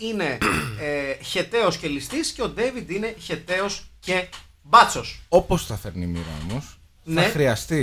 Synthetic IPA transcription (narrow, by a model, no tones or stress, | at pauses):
ine̞ | çe̞t̪e̞o̞sce̞list̪isce̞o̞d̪e̞vid̪ine̞çe̞t̪e̞o̞sce̞ | bɐt͡so̞so̞post̪ɐθeɾnimḭɾɐ̰omos | nθɐexɾiɐst̪i